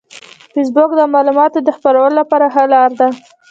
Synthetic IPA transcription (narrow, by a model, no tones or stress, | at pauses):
fis̬bokd̪əmɑlumɑt̪od̪əxpaɾawəlolapɑɾaɦalɑɾd̪a